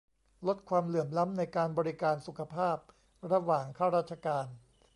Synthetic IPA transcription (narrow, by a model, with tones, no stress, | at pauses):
lo˦˥t̪̚kʰwaː˧mlɯ˨˩əmla˦˥mna˧jkaː˧nbɔː˧ɾi˦kaː˧nsu˨˩kʰa˧pʰaː˥˩p̚ | ɾa˧waː˨˩ŋkʰaː˥˩wɾaː˥˩t̪̚t͡ɕʰa˧kaː˧n